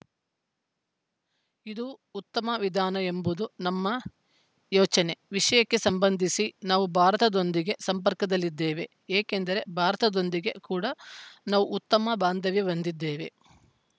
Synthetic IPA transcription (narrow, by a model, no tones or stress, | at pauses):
id̪uːt̪ːɐmɐʋid̪ʱaːnɐe̞mbud̪unɐmːɐ | jɔːt͡ʃɐne̞ʋiʂɐjɐkːe̞sɐmbɐnd̪ʱisinaːʋubʱaːɾɐt̪ɐd̪o̞nd̪iɡe̞sɐmpɐɾkɐd̪ɐlːid̪ːeːʋe̞ | eːkend̪ɐɾe̞bʱaːɾɐt̪ɐd̪o̞nd̪iɡe̞kuːɽɐnaːʋuːt̪ːɐmɐbaːnd̪ʱɐʋjiʋɐnd̪id̪ːeːʋe̞̰